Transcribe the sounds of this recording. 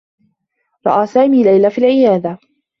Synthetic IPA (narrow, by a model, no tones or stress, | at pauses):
ɾˤɑ̰ʔaːsaːmiːlajlafiːlʕɪjaːd̪a